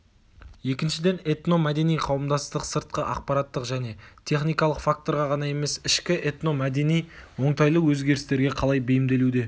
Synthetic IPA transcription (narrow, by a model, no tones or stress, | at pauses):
je̞kʲɪnʃɪd̪e̞ne̞t̪no̞mæd̪e̞nijqʰɑwəmd̪ɑst̪əqsəɾt̪̚qəʔɑq̚pɑɾat̪ːəqʒæne̞t̪ʰe̞χnijkɑlˠəqfak̚t̪o̞ɾʁɑʁɑnɑje̞me̞sɪʃkʲɪʔe̞t̪no̞mæd̪e̞nijwo̞ɴt̪ɑjlˠəwɵzɡʲe̞ɾɪst̪eɾɡʲe̞qʰɑlˠɑjbɪjɪmd̪e̞lud̪e̞